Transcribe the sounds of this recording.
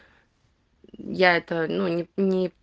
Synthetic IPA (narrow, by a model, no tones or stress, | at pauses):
jaɛt̪ənunʲɪnʲɪ